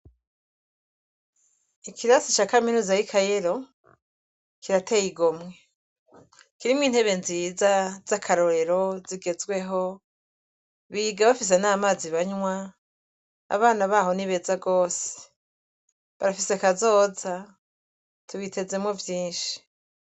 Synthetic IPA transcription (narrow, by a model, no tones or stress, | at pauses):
ikʰiɾasit͡ʃakaminuːzajikʰaje̞ɾo̞ | kiɾatʰe̞jiɡomŋe̞ | kiɾimŋiːn̥he̞βe̞nziːzaz̥akʰaɾo̞ɾe̞ɾo̞ziɡe̞zɡwe̞ɦo̞ | βiɡaβafis̬e̞naːmaːziβaɲwa | a̰βaːnaβaːho̞niβe̞zaɡo̞ːse̥ | βaɾafisekazo̞ːza | tuβite̞ze̞mŋo̞vjiːnʃi̥